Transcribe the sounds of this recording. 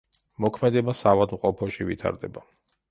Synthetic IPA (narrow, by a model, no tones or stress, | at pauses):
mɔkʰmɛd̪ɛbasavad̪mqʼɔpʰɔʃivḭt̪ʰa̰ɾd̪ɛba